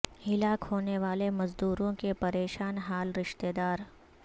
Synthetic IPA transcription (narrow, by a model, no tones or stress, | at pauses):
hɪlaːkhoːneʋaːlemɐzd̪uːɾõkepɐɾeːʃaːnɦaːlɾɪʃt̪eːd̪aːɾ